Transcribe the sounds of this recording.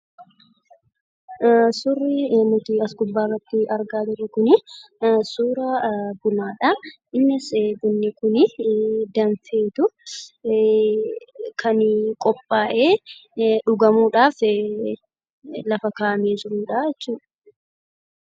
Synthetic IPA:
sʊrːɪnʊt̪iɐskʊbːaːrːɐt̪ːɪɐɾɡaːd͡ʒɪɾːʊkʊnɪsuːɾɐbʊmaːᶑɐʔɪnːɪsbʊnːɪkʊnɪd̪ɐnfeːt̪ʊ | kʰɐnkʼɔpʼːaːʔeːᶑʊɡɐmuːᶑaːf | lɐfɐkaːmeːd͡ʒɪɾuːᶑaɛt͡ʃːuːᶑɐ̥

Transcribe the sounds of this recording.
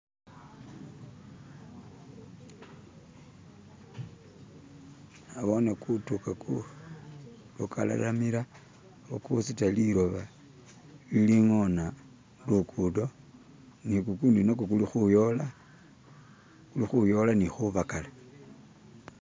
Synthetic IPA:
aβonekutukakʰu | luka̰la̰amila | βokusitaliɾoβa | liliŋona | lukʰudo̞ | nikukundinokokulixujola | kulixujo̞lanixuβakala

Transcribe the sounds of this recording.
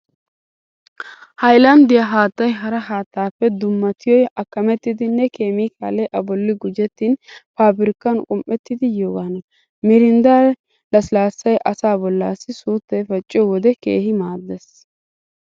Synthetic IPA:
hɐjlɐmd̪ɪjɐɦaːt̪ːɐjɦɐɾɐɦaːt̪ːaːpːɛd̪ʊmːɐt̪ɪjɔjɐkːɐmɛt̪ːɪd̪ɪnɛke̞ːmiːkaːlːɛjʔɐbɔlːɪɡʊd͡ʒɛt̪ːiːnpaːbɪɾɪkːɐnkʼʊmpʼːɛt̪ːɪd̪ɪjoːɡaːnɐ | mɪɾɪnd̪aː | lɐsɪlaːsːɐjʔɐsaːbɔlːaːsːɪsuːt̪ːɛjfɐt͡ʃʼːɪjɔwɔd̪ɛke̞̰ːhɪmaːd̪ːɛs

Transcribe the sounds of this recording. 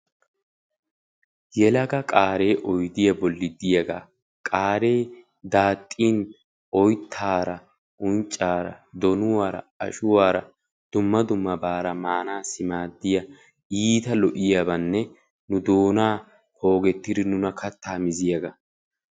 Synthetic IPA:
jɛlɐɡɐkʼaːɾe̞ːʔɔjd̪ɪjɐbɔlːɪd̪ɪjɐɡaː | kʼaːɾe̞ː | d̪aːt̪ʼːiːn | ʔɔjt̪ʰːaːɾɐ | ʔʊnt͡ʃʼːaːɾɐd̪ɔnʊwaːɾɐ̰ɐ̰ʃʊwaːɾɐ | d̪̥ʊmːɐd̪ʊmːɐbaːɾɐmaːnaːsɪmaːd̪ːɪjɐ | iːt̪ɐlɔʔɪjabɐnːɛ | nʊd̪o̞ːnaː | ho̞ːɡɛt̪ːɪd̪ɪnʊnɐkɐt̪ːaːmɪzɪjɐɡɐ

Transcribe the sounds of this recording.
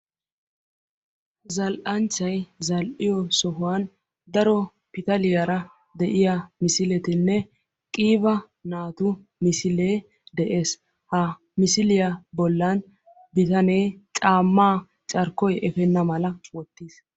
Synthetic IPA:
zɐlʔɐnt͡ʃːɐjzɐlʔɪjɔsɔɦʊwan | d̪ɐɾɔ | pɪt̪ɐlɪjɐɾɐ | d̪ɛʔɪjamɪsɪlɛt̪ɪnːɛ | kʼiːbɐ | naːt̪ʊ | mɪsɪle̞ː | d̪ɛʔe̞ːs | hɐ | mɪsɪlɪjɐbɔlːɐn | bɪt̪ɐneːt͡ʃʼaːmːaː | t͡ʃʼɐɾkːɔjʔɛfɛnːɐmɐlɐwɔt̪ːiːs

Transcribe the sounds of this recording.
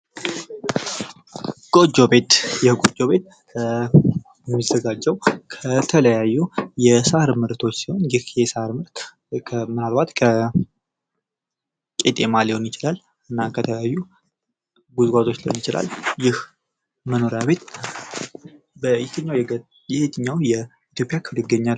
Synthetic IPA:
ɡ̥ʼo̞d͡ʒːo̞be̞t̪jɛɡʼod͡ʒo̞βe̞t̪̚ | ɛmːizəɡad͡ʒːɛwkʰət̪ʰələjajːujɛsahɨɾmɨɾt̪ʰo̞t͡ʃːsiho̞njɪhjɛsahɾmɨɾt̪ | kʰəmɨnalbat̪kʰə | kʼet̪ʼe̞malihwonjɪt͡ʃɪlal | ɨnːakʰət̪ʰələjajːu | ɡuzɡʷazot͡ʃːlihonjɪt͡ʃɪla̰ljɪh | məno̞ɾjaβe̞t̪ | bət̪ʰɨɲːawj | jɛhet̪ʰɨɲːawjɛ | it̪ʰjo̞pʼjakʰɨlɨɡəɲːa

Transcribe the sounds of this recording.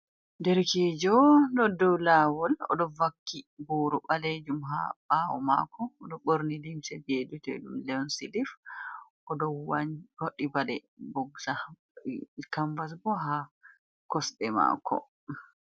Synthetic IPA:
dɛɾkɛd͡ʒɔdɔdɔwlaːwɔlɔ̰dɔvakːiboːɾuɓaled͡ʒumɦa̰bawɔ̰ma̰kːɔːdɔɓoɾnilimsɛbedutɛ̰dumlɛɔnsilifʔɔdɔwawoɗːibalɛbɔɡsa | kambas̬bɔɦa | kɔsɗɛma̰kʰːɔ̰

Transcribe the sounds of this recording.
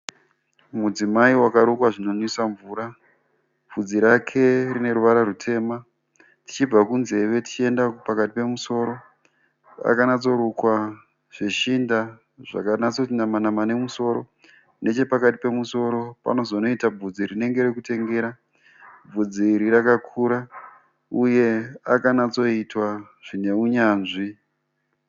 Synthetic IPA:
mud͡zimaiwakaɾukwaʐino̞nisaɱvuːɾa | b͡vʱud͡ziɾakʰe̞rine̞ɾuʋaɾaɾutʰe̞ːma | ti̥t͡ʃib͡vakunze̞ʋe̞ti̥t͡ʃie̞ndakpakatipe̞muso̞ːɾo̞ | ra̰kanat͡so̞ɾukwa | ʐ̥e̞ʃinda | ʐ̥a̰kanat͡so̞tinamanamane̞muso̞ɾo̞ | ne̞t͡ʃe̞pakati̥pe̞muso̞ɾo̞pa̰no̞zo̞no̞itab͡vud͡ziɾine̞ŋɡe̞ɾekute̞ŋɡe̞ːɾa | b͡vud͡ziɾiɾakakʰuɾa | uje̞akanat͡so̞itwa | ʐ̥ine̞uɲaːnʐi

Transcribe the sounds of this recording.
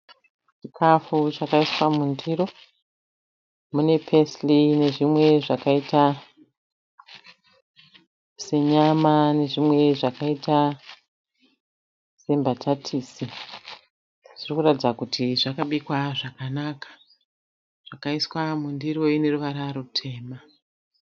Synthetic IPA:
t͡ʃikʰafut͡ʃakaiswamundiɾo̞ | mune̞pʰe̞sline̞ʐimwe̞ʐakaita | se̞ɲamane̞ʐimwe̞ʐakaita | se̞mbatʰatʰiːsi | ʐ̥irikuratid͡zakutʰiʐakaɓikwaʐakanaːkḁ | ʐ̥akaiswamundiɾoine̞ruʋaɾarutʰe̞ːma

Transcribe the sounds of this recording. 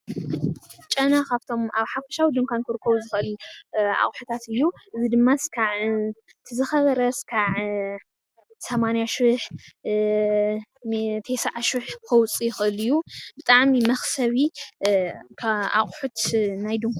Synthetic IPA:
t͡ʃʼɐnakʰaβt̪ʰo̞maβħafɐ̥ʃawid̪ɨŋkʷʰankʰɨɾɨkʰːɐβuzɨxʔɨla̰χʼħut̪ʰat̪ɨjːuʔɨzid̪ɨmːaskʰaʕ | t̪ʰɨzɨxɐβɐɾɐskʰaʕ | sɐmanijaʃɪħ | mt̪ʰejsaʕaʃɨħkʰɐwt͡sʼijɪxɨʔɨlɨjːubɨt̪ʼaʕmimɐxsɐβi | kʰaa̰χʼħut̪najd̪ɨŋkʰʷ

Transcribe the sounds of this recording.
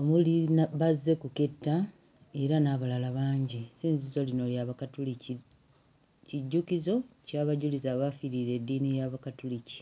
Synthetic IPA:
omulinaβazːe̞kuke̞tːa | e̞ɾanaβalalaβaːɲɟisiːnzizo̞lino̞ljaβakatuli | ciɟːukizo̞caβaɟulizaβafiɾiɾe̞dːiːnijaβakatulici̥

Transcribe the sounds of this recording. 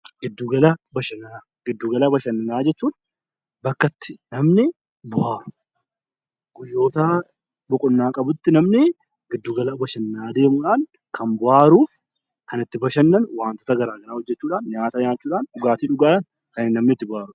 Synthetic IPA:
ɡ̥ɪd̪ːuːɡɐlɐbɐʃɐnːɐnaːɡɪd̪ːuːɡɐlɐbɐʃɐnːɐnaːd͡ʒɛt͡ʃːuːn | bɐkːɐt̪ːɪ̥nɐmnɪ | bʊhaːɾʊ̥ | ɡ̥ʊjːo̞ːt̪aː | bɔkʼʊnːaːkʼɐbʊt̪ːɪnɐmnɪ | ɡɪd̪ːuːɡɐlɐbɐʃɐnːaːd̪e̞ːmʊᶑaːŋ | kʰɐmbʊhaːɾuːf | kɐnɪt̪ːɪbɐʃɐnːɐnwaːnt̪ɔ̥t̪ɐɡɐɾaːɡɐnaːhɔd͡ʒːɛt͡ʃːuːᶑaːnɲaːt̪ɐɲaːt͡ʃːuːᶑaːnʔʊɡaːt̪iːᶑʊɡaːᶑɐn | kɐnɪnɐmnɪt̪ːɪbʊhaːɾʊ

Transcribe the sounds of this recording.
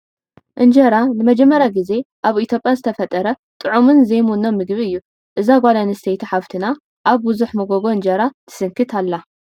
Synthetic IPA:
ʔɨnd͡ʒɐɾanɨmɐd͡ʒɛmːɐɾjaɡize̞ʔaβit̪ʰjo̞pʼjazɨt̪ʰɐfɐt̪ʼɐɾɐ | t̪ʼɨʕumɨnzɐjmunːomːɨɡβiɨjːu | ʔɨzaɡʷalanisʰejt̪ʰiħaβt̪ʰɨna | ʔaβbuzuħmɐɡoɡo̞ɨnd͡ʒɐɾat̪ʰɨ̥sɨŋkʰɨt̪ʰalːa

